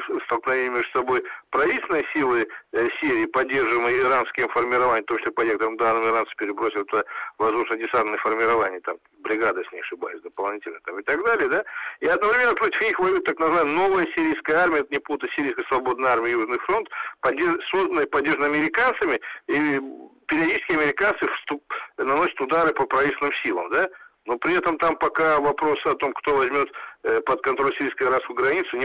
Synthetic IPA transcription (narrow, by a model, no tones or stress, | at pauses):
st̪əlˠknɐvʲenʲɪəmʲeʐd̪ʊ̥sɐbo̞jpɾɐvʲitʲsʲlʲnəjsʲilˠɨsʲiɾʲɪːpɐdʲːe̞rʐɨmɨjɪɾanskʲɪɪmfərmʲɪɾɐvanʲɪft̪omt͡ɕɪsʲlʲpɐnʲekət̪əɾəmd̪anːəmɪɾansɨ̥pʲɪɾʲɪbɾosʲɪt̪əvɐzd̪uʂnədʲɪsant̪nəjəfərmʲɪɾɐvanʲɪjət̪am | bɾʲɪɡad̪əsʲnʲɪɐʂɨba̰jɪsʲd̪əpɐlˠnʲitʲɪlʲnət̪amɨt̪ɐɡd̪alʲɪjəd̪aiɐd̪nəvɾʲɪmʲe̞nːəpɾo̞tʲɪ̥fnʲixvɐjut̪ːaknəzɨvaɪməno̞vəjəsʲɪɾʲijskəjəarmʲɪəɛt̪nʲɪput̪əsʲɪɾʲijskəjsvɐbo̞d̪nəjarmʲɪjəjuʐnɨfɾo̞nt̪pɐdʲeso̞zd̪ənəpɐdʲːeʐənəɐmʲɪɾʲɪkant̪sɨmʲɪipʲɪɾʲɪɐdʲit͡ʃt͡ɕɪskʲɪɐmʲɪɾʲɪkant̪sɨfst̪upnɐnosʲət̪ʊd̪aɾɨpəpɾɐvit̪ʲsʲlnɨmsʲilˠə̰md̪anopɾʲɪɛt̪əmt̪ampɐkavɐpɾo̞sɨɐt̪o̞mkt̪o̞vɐzʲmʲo̞t̪pət̪̚kɐnt̪ɾo̞lʲsʲɪɾʲijskəɐɾaskʊɡɾɐnʲit̪sʊnʲɪ